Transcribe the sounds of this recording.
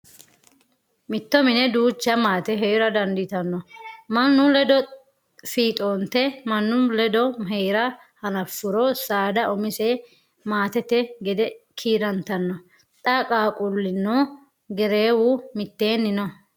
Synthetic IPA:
mɪt̪ːɔmɪnɛd̪uːt͡ʃːɐmaːt̪ɛɦɛjʊɾɐd̪ɐnd̪ɪt̪ɐnːɔmɐnːʊlɛd̪ɔ | fiːt̪ʼoːnt̪ːɛmɐnːʊlɛd̪ɔɦɛjɾɐ | hɐnɐfːʊɾɔsaːd̪ɐʔɔmɪsɛ | maːt̪ɛt̪ɛɡɛd̪ɛkʰiːɾɐnt̪ɐnːɔ | t̪ʼɐkʼaːkʼʊlːɪnːo | ɡɛɾeːwumɪt̪ːe̞ːnːɪnɔ

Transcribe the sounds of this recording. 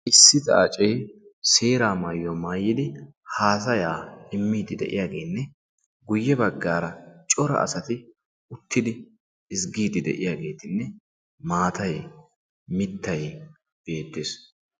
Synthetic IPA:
ʔɪsːɪt̪ɐɐt͡ʃʼejse̞ːɾaːmaːjːɔmaːjːɪd̪ɪ | haːs̬ɐjaːɪmːiːd̪ɪd̪ɛ̰ʔɪ̰jaːɡe̞ːnːɛ | ɡʊjːɛbɐɡːaːɾɐt͡ʃʼɔɾɐ̰ʔɐ̰sɐt̪ɪ | ʊt̪ːɪd̪ɪ | ɪsɡiːd̪ɪd̪ɛ̰ʔɪjaːɡe̞ːt̪ɪnːɛ | maːt̪ɐj | mɪt̪ːɐj | b̥e̞ːt̪ːɪs

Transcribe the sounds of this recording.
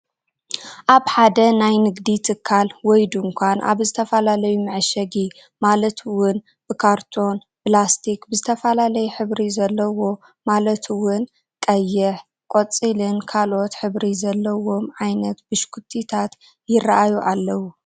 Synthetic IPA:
ʔaβħad̪ɐnajnɨɡd̪it̪ʰɨkʰːalwɔjd̪uŋkʷʰanʔa̰βzɨt̪ʰɐfɐlalɐjumɨʕɨʃɐɡi | malɐt̪ʰɨwʊn | b̥ɨkʰaɾt̪ʰo̞n | plast̪ʰikbɨzɨt̪ʰɐfɐlalɐjuħɨβɾizɐlːɐwo̞ | malɐt̪ʰɨwʊn | kʼɐjːɪħ | kʼot͡sʼilɨnkʰalʔo̞t̪ħɨβɾizɐlːɐwo̞mʕajnɐt̪b̥ɨʃkʰut̪ʰːit̪ʰat̪ | jɪrːaʔajuʔalːɐwu

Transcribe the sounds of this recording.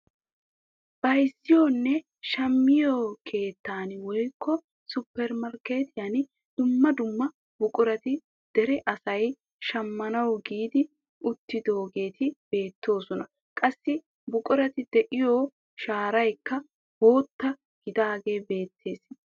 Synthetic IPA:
b̥ɐjsːɪjoːnːɛ | ʃɐmːɪjoːkʰe̞ːt̪ːaːnwɔjkːɔ | sʊpːɛɾmɐɾke̞ːt̪ɪjɐn | d̪̥ʊmːɐd̪ʊmːɐ | bʊkʼʊɾɐt̪ɪ | d̪̥ɛɾɛʔɐsɐj | ʃɐmːɐnɐwɡiːd̪ɪ | ʊt̪ːɪd̪o̞ːɡe̞ːt̪ʰɪb̥e̞ːt̪ʰːo̞ːsɔnɐ | kʼɐsːɪ | bʊkʼʊɾɐt̪ɪd̪̥ɛʔɪjoː | ʃaːɾɐjkːɐ | ho̞ːt̪ːɐ | ɡ̥ɪd̪aːɡe̞ːbe̞ːt̪ʰːe̞ːs

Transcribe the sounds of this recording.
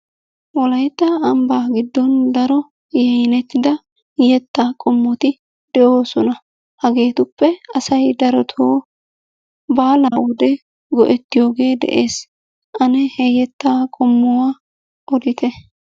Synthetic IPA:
wɔlɐjt̪ːɐːmbaːɡɪd̪ːɔnd̪ɐɾɔ | jɛjɪnɛt̪ːɪd̪ɐ | jɛt̪ːaːkʼɔmːɔt̪ɪ | d̪̥ɛʔo̞ːsɔnɐ | hɐɡe̞ːt̪ʊpːɛɐsɐjd̪ɐɾɔt̪ʰoː | baːlaːwʊd̪ɛ | ɡɔ̰ʔɛt̪ːɪjo̞ːɡe̞ːd̪ɛ̰ʔeːs | ʔɐnɛhɛjɛt̪ːaːkʼɔmːɔwaː | ʔɔd̪ɪt̪ɛ

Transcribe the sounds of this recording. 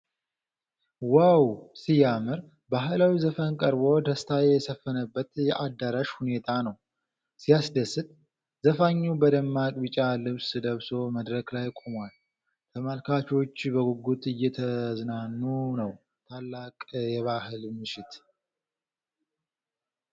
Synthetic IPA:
wawsijamɨɾ | baɦɨlawizəfənkʼəɾbo̞d̪əst̪ʰajɛsəfːənəbːət̪jɛʔad̪aɾaʃhune̞t̪ʰanəw | sijasd̪əsɨt̪̚ | zəfaɲːubəd̪əmːakʼbɨt͡ʃʼːalɨβsd̪əβso̞məd̪ɾəklajkʼomwal | t̪ʰəmalkʰat͡ʃo̞t͡ʃːbəɡuɡːut̪ɨjːɛt̪ʰəznanːunəw | t̪ʰalːakʼjɛβahɨlmɨʃɪt̪

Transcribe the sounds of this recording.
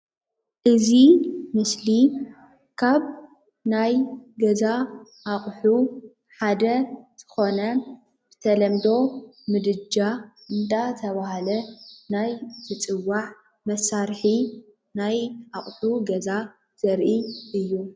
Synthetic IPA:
ʔɨzimɨsli | kʰaβ | najɡɐza | ʔaχʼħu | ħad̪ɐz̥ɨ̥xo̞nɐ | b̥ɨ̥t̪ʰɐlɐmd̪o̞ | mɨd̪ɨd͡ʒaʔɨnd̪at̪ʰɐβahalɐnajzʰɨt͡sʼɨwːaʕ | mɐsaɾħi | najʔaχʼħuɡɐza | z̥ɐɾʔiʔɨjːu

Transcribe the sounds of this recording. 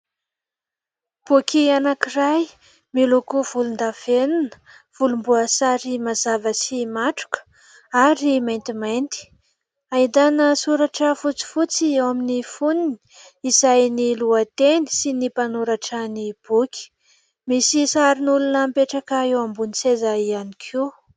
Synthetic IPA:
b̥ukʰianakiraj | milukuv̥ulund̪av̥enunə̥ | v̥ulumbuəsaɾimazavəsimaʈ͡ʂu̥kə̥ | aɾimajnt̪imajnt̪i̥ | aid̪anəsuɾaʈ͡ʂəfut͡si̥fut͡siewaminifunini̥ | izajniluat̪eni̥sinipanuɾaʈ͡ʂənib̥uki̥ | misisaɾinulunəmpeʈ͡ʂakaewambunisezaianikʰu

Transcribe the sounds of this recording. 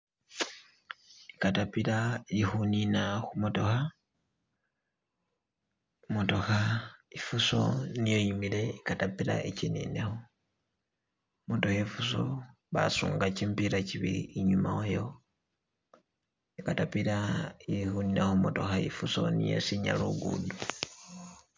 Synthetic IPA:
ikatapilalihuninaxumutoha | mutoxaifuso̰nijojimileikatapiɾa̰ʔicinḭnexo | mutohefuso̰ | βa̰suːŋɡat͡ʃiːmpiɾaciβḭiːɲumawojo̞ | ikatapilaiixuninaxumutoxaifuso̰nḭjo̰siɲa̰luɡṵdu

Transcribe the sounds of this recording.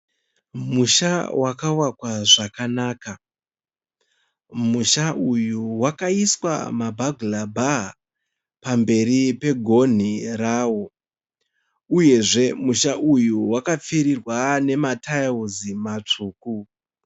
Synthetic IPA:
muʃawakawakwaʐakanaːka | muʃaʔujuwakaiswa̰mabʱaɡʱulabʱa | pambe̞ɾipe̞ɡʱo̞n̤iraːwo̞ | uje̞ʐe̞muʃaʔujuwakap͡fiɾirwane̞matʰajuzimat͡ʂuːku

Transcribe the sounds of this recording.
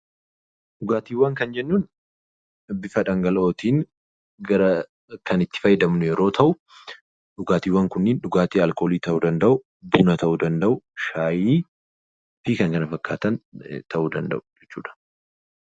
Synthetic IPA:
ᶑʊɡaːt̪iːwːaːŋkɐnd͡ʒɛnːuːn | bɪfɐᶑɐŋɡɐlo̞ːt̪iːŋ | ɡɐɾɐ | kɐnɪt̪ːɪ̥fɐjːɪd̪ɐmnʊjɛɾo̞ːt̪ʰɐʔʊ | ᶑʊɡaːt̪iːwːɐːŋkʊnːɪnᶑʊɡaːt̪iːɐlkʼo̞ːliːt̪ɐʔuːd̪ɐnd̪ɐʔʊ | buːnɐt̪ɐʔuːd̪ɐnd̪ɐʔʊʃaːjiː | b̥iːkɐŋkɐnɐfɐkːa̰ːt̪ɐnt̪ɐʔuːd̪ɐnd̪ɐ̰ʔʊ̥d͡ʒɛt͡ʃːṵːᶑɐ̥

